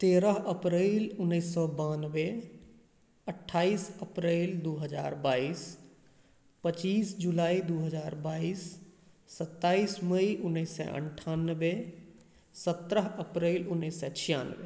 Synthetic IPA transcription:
t̪eːɾəɦəpɾeːlʊnːəɪsːɔbanʋe | əʈʰːaːiːsəpɾeːld̪uɦəd͡ʒa̰ːɾbaːiːs | pət͡ʃiːsd͡ʒulaːid̪uɦəzaːɾbaːisː | ət̪ːaːisməiʔʊnːəɪsɛ̰ʔə̰ɳʈʰanːəʋe | sət̪ɾəɦəpɾeːlʊnːəisːɛt͡ʃʰija̰nʋe

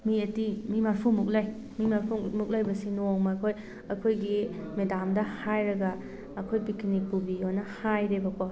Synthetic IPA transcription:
miɐtimimaɾpʰumuk̬̚laj | mimaɾpʰumuk̚lajbɐsinoŋmakʰoj | ɐkʰojɡimedamdɐhajɾɐɡɐː | kʰojpikʰinipubihojnɐhajɾebɐpa

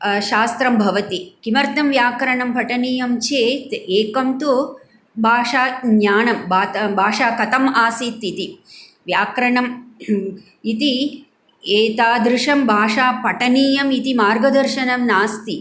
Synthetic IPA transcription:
ʃaːst̪ɾɐmbʱɐʋɐt̪ikimɐɾt̪ɐmʋjaːkɾɐɳɐmpɐʈɐniːjɐmt͡ʃeːt̪eːkɐmt̪u | bʱaːʂaːjaːnɐmbaːt̪bʱaːʂaːkɐt̪ɐmaːsiːt̪ːit̪i | ʋjaːkɾɐɳɐm | it̪i | eːt̪aːd̪ɾɪʂɐmbʱaːʂaːpɐʈɐniːjɐmit̪imaːɾɡɐd̪ɐɾʃɐnɐmnaːst̪i

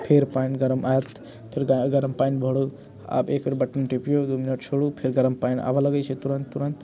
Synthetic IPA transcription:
pʰeɾpajnɡɐɾəmʔajət̪ | pʰeɾɡɐɾəmpajnbʱɔɽu | a̰bekeɾbɐʈːənʈipijod̪uminəʈt͡ʃʰoɽupʰeɾɡɐɾəmpajna̰baləɡət͡ʃʰit̪uɾənt̪ːuɾənt̪

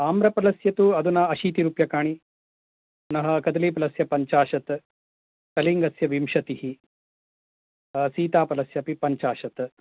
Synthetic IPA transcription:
aːmɾɐpɐlɐsjɐt̪uɐd̪unɐɐʃiːt̪iɾuːpjɐkaːɳ̃i | nɐɦɐ̆kɐd̪leːpɐlɐsjɐpɐɲt͡ʃaːʃɐt̪ | kɐliŋɡɐsjɐʋimʃɐt̪ihi | siːt̪aːpɐlɐsjɐpipɐɲt͡ʃaːʃɐt̪

